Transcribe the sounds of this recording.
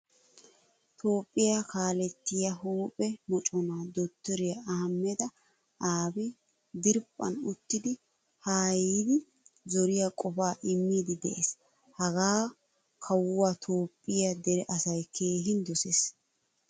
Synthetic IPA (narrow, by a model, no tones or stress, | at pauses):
t̪ʰo̞ːpʼːɪjakaːlɛt̪ːɪjɐɦuːpʼɛmɔt͡ʃʼɔnaːd̪ɔt̪ːɪɾɪjɐamːɛd̪ɐ | ʔaːbɪ | d̪ɪɾpʼːɐ̰nʊt̪ːɪd̪ɪ | haːjiːd̪ɪ | zɔɾɪjakʼɔfaːʔɪmːiːd̪ɪd̪ɛʔes | hɐɡaː | kʰɐwːat̪ʰoːpʼːɪjɐd̪ɛɾɛʔɐsɐjkʰe̞ːɦɪnd̪ɔseːs